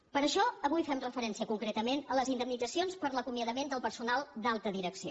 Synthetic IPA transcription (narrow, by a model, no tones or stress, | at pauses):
pəɾəʃɔəβujfɛmrəfəɾɛnsiəkuŋkɾet̪əmenələzind̪əmnidd͡zəsionspəɾləkumiəðəmend̪əlˠpəɾsunalˠd̪alˠt̪əðiɾəksio̰